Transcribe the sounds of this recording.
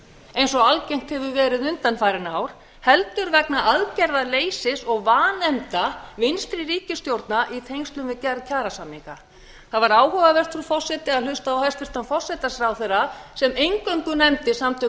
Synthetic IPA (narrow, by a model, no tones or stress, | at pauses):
ejnsɔɣalcejŋ̥t̪hɛvʏvɛːɾɪðʏnt̪anfaːjɾɪnaːwɾ̥ | hɛlt̪ʏɾvɛknaʔaðcɛɾðaleːjsɪsɔɣvaːnɛmt̪avɪnst̪ɾɪɾiːcɪst̪jowɾt̪naʔit̪ʰejŋst̪lʏmvɪðcaɾcʰaːɾasamːiŋka | θaðvaɾaːwhœvavɛr̥t̪fɾufɔsɛt̪ɪaðlʏst̪aawhajst̪ɪst̪anfɔ̥sɛt̪asɾawθeɾːasɛmejŋkœŋkʏnɛmt̪ɪsamt̪ʰʏ